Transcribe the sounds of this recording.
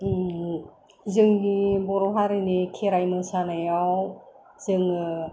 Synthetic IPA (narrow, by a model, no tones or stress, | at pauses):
zɯŋnibɔɾɔɦaɾɯnikʰeɾajmɯsanajaw | z̥ɯŋ